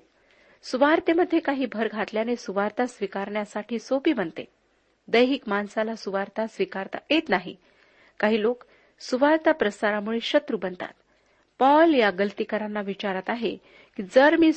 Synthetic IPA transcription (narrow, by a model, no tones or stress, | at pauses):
suʋaɾt̪eməd̪ʱːjekaɦiːbʱəɾɡʱat̪ljanesuʋaɾt̪asʋikaɾɳjasaʈʰiːsopiːbənt̪ḛ | d̪əjɦikmansalasuʋaɾt̪asʋikaɾt̪a̰et̪naɦḭ | kaɦiːlok | suʋaɾt̪apɾəsaɾamuɭeɕət̪ɾubənt̪a̰t̪ | pɔljaɡəlt̪ikəɾanːaʋit͡ɕaɾat̪aɦe | kiːd͡zəɾmiː